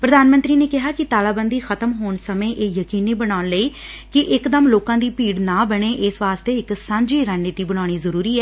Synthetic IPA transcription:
pɾəd̪aːnmənt̪ɾiːneːkɪɦaːkɪt̪aːlaːbənd̪iːxət̪əmɦoːɳsəmẽːʔeːjəkiːniːbəɽaːʊnləiːkɪʔɪkd̪əmloːkãːd̪iːpiːɽnãːbəɳ̃eːʔɪsʋaːst̪eːɪksãːɲd͡ʒiːɾaːnːɪt̪iːbəɽ̃aːɽ̃iːzəɾuːɾiːɛː

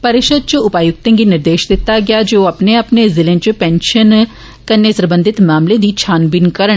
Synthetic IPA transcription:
pəɾɪʃəd̪̚t͡ʃʊʊpaːjʊk̚t̪ẽŋɡinɪɾd̪eːʃd̪ɪt̪ːaɡɪjaːd͡ʒoːɐpneəpnezɪlẽːt͡ʃəpɛːnʃən | kənːesɾəbə̃nd̪ɪt̪maːmled̪iːt͡ʃʰaːnbɪnkəɾə

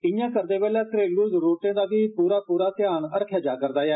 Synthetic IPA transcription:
ɪjãːkəɾd̪eːbɛːlaːsɾeːɡluːzɾoːʈẽːd̪aːʋiːpuːɾaːpuːɾaːt̪ɪjaːnəɽkʰjaːd͡ʒaːkəɾd̪aːjɛː

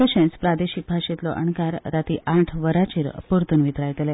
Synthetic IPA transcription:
kəɕẽt͡spɾad̪eɕik̚bʱaʂet̪lɔ̰ʔə̰ɳkaɾːat̪iʔãʈʰʋəɾat͡ɕiːɾ̰puɾt̪unʋit̪ɾajt̪lɛ

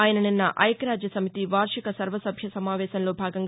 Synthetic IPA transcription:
aːjɐnɐninːɐʔɐjkɾaːd͡ʒjɐsɐmit̪iʋaːɾʂikɐsɐɾʋɐsɐbʱjɐsɐmaːʋɛːʃɐnlo̞ːbʱaːɡɐŋɡ

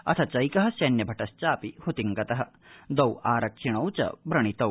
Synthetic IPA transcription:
ɐ̰t̪ʰɐt͡ʃɐjkɐɦɐ̆sjɐnjɐbʱɐʈɐst͡ʃaːpihut̪iŋɡɐt̪ɐɦɐ̆ | d̪ɐwaːɾɐkʂiɳɐwt͡ʃɐ̰bɾɐɳit̪ɐw

